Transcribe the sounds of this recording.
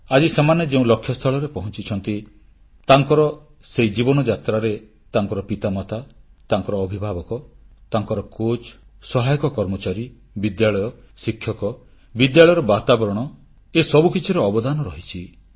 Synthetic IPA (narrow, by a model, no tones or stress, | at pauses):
ad͡ʒisemaned͡ʒeũlɔkʰːjɔst̪ʰɔɭɔɾepɔɦɔnt͡ʃit͡ʃʰɔnt̪i | t̪aŋkɔɾɔ | sejd͡ʒibɔnɔd͡ʒat̪ɾaɾe | t̪aŋkɔɾɔpit̪amat̪ʰat̪aŋkɔɾɔːbʱibʱabɔkɔt̪aŋkɔɾɔkot͡ʃsɔɦajɔkɔkɔɾmɔt͡ʃaɾi | bid̪jaɭɔjɔ | sikʰːjɔkɔ | bid̪jaɭɔjɔɾɔbat̪abɔɾɔɽ̃ɔ | esɔbukit͡ʃʰiɾɔːbɔd̪anɔɾɔɦit͡ʃʰi